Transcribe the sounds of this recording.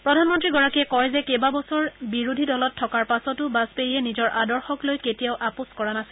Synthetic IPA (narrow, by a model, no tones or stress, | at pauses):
pɹɔdʱanmɔntɹiɡɔɹakiɛkɔjzɛkebabɔsɔɹbiɹudʱidɔlɔtʰːɔkaɹpasɔtʊbaspeɹijɛnizɔɹʔadɔɹxɔklojketijaʊʔapʊskɔɹanasɪ